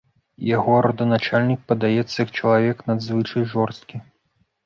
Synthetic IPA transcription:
jaɣɔɾɐd̪ɐnat͡ʂalʲnʲik̚pɐd̪ajɛt̪sːɐjɐk̚t͡ʂɐlˠavʲɛknad̪zvɨt͡ʂɐjʐɔrst̪̚kʲi

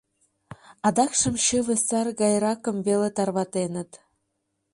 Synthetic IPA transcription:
ɑd̪ɑkʃɤ̆mɕĕβɘ̆sɑrɡɑjrɑkɤ̆mvelet̪ɑrβɑt̪enə̆t̪

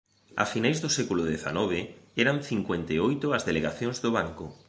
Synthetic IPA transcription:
a̰finajzðʊsɛkulʊðeθa̰nɔβ̞eɛɾanθiŋkwent̪eojt̪ʊɐzðeleɣaθjõŋzðoβ̞aŋko

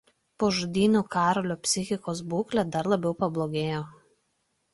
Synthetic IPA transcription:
poːʒʊd̪ʲiːnʲuːkɑːɾɔlʲoːpʲsʲɪxʲɪkoːsbuːklʲɛd̪ɐɾlˠɐbʲɛʊpɐblˠoːɡʲeːjoː

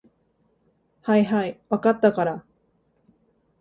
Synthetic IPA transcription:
haiɦaiβakat̪ːakaɾa

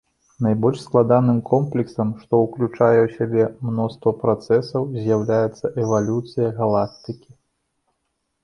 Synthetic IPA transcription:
najbɔlʲʂsklˠad̪anɨmkʰɔmplʲiksɐmʂt̪ɔwklʲut͡ʂajɛwsʲabʲɛmnɔst̪vɐpɾat̪sɛsɐwzʲjawlʲajɛt̪sːɐʔɛvalʲut̪sɨjɐɣalˠak̚t̪ɨkʲi

